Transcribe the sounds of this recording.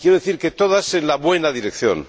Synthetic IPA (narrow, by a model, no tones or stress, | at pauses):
kjeɾoðeθiɾket̪oðasenlaβwe̞naðiɾekθjo̰n